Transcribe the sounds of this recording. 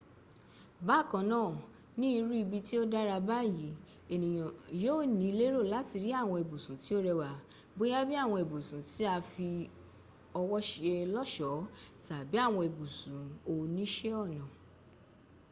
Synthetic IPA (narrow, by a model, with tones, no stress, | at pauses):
ba˨˦˨kɔ̃˧˦nãː˦˨ | nĩ˦i˧ɾu˦i˧bi˧ti˦o˦da˦ɾa˧ba˦˨ji˨˦ | e˨nĩ˨j̃ã˨joː˦˨nĩ˨˦i˧le˦ɾo˦˨la˨˦ti˧ɾi˦a˦˨w̃ɔ̃˧e˨bu˨sũ˨˦ti˦o˦ɾɛ˧wa˨ | bo˦ja˦bi˦a˦˨w̃ɔ̃˧e˨bu˨sũ˨˦ti˦a˧fi˧ | ɔ˧wɔ˦ʃe˧lɔ˦ʃɔ˨˦ta˨bi˨˦a˦˨w̃ɔ̃˧e˨bu˨sũ˨˦o˧nĩ˦ʃe˦ɔ˦˨nã˨